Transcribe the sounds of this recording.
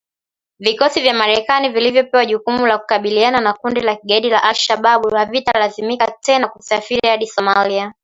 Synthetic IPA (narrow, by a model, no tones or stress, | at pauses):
vikɔsivjamaɾɛkanivilivjɔpɛwaʄukumulaku̥kaɓiliananakundilakiɠaiɗilaʔalʃaɓaɓuhavitalazimikatɛnakusafiɾihaɗisɔmalia